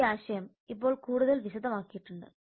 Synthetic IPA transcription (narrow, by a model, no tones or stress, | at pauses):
aːɕɐjɐm | ipːo̞ːɭkuːɽuðɐlʋiɕɐd̪ʱɐmaːkːijiʈːuɳɖɨ̰